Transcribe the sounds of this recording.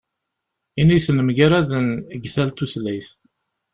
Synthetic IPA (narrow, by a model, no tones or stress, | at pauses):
inisnəmʝaɾæðənəɡθælt̪uθlæjθ